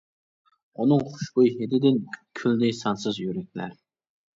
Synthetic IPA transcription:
unɨŋχʊ̥ʃbujhed̪ɪd̪ɪnkʲʰyld̪ɪsɑnsɨzjyɾɛk̚ʲlæ̰ɾ

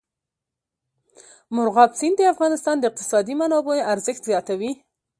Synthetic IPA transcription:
mʊɾɣɑbsind̪əafɣɑnɪst̪ɑnd̪əɪq̚t̪ɪ̥sɑd̪imanɑboaɾzəxt̪zjɑt̪awi

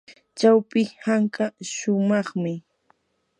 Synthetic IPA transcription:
t͡ʃawpɪhaŋkaʃʊmɑχmɪ

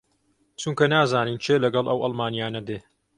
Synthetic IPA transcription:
t͡ʃuŋkɐnaːzaːniːnt͡ʃʰeːlɐɡɐlˠʔɐ̰wʔɐlˠmaːnijaːnɐd̪eː

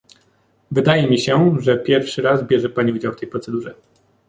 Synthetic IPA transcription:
vɘd̪ajɛmʲiɕɛʐɛpʲjɛɾfʂɘɾazbʲjɛʐɛpaɲiud͡ʑawft̪ɛjpɾɔt̪sɛd̪uʐɛ

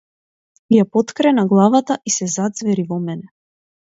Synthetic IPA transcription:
japɔt̪kɾɛnaɡlˠavat̪aʔisɛzad̪zvɛɾivɔmɛnɛ

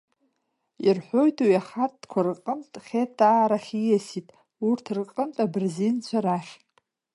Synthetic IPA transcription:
irħʷo̞jtʰwiaχat̚ʰʼd̥kʷʰarɨqʼəmtʼχʲetʰʼaːɾaχʲijasitʼ | urtʰrqʼəmtʼabɨrzint͡ɕʷʰaɾaχʲ

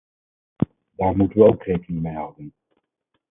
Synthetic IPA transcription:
daːɹmutənʋəowkrejkənɪŋmejɦɑdən

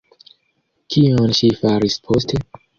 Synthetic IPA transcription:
kʰionʃifaɾispʰo̞stʰe̞

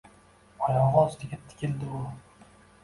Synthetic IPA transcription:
ɒjɒʁɑst̪ɪɡʲat̪ʰːɪ̥kʲʰɪld̪ɪʊ

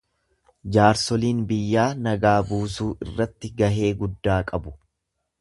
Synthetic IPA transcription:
d͡ʒaːɾsɔliːnbɪjːaːnɐɡaːbuːsuːʔɪrːɐt̪ːɪɡɐɦe̞ːɡʊd̪ːaːkʼɐbʊ̥

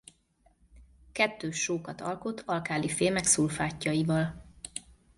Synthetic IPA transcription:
kɛt̪ːøːʃːoːkɒt̪ɒlko̞t̪ʰːɒlkaːlifeːmɛksulfaːcːɒivɒl

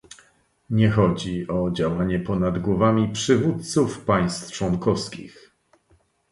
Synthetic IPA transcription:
ɲɛxɔd͡ʑiʔɔd͡ʑawaɲɛpɔnad̪ɡwɔvamʲipʂɘvut̪t̪sufpaj̃st̪ft͡ʂwɔŋkɔfskʲḭx

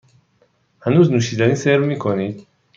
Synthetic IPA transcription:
hanuznuʃid̪aniseɾmikʰɔnid̪

